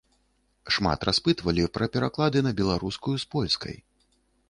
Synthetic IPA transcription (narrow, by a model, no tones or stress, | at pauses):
ʂma̰t̪ɾʔaspɨt̪vɐlʲipɾɐpʲɛɾaklˠad̪ɨnɐbʲɛlˠaɾuskujuspɔlʲskɐ̰j